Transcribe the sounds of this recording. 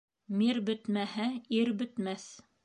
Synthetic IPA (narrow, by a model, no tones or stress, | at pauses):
miɾbɵ̆t̪mæhæiɾbɵ̆t̪mæθ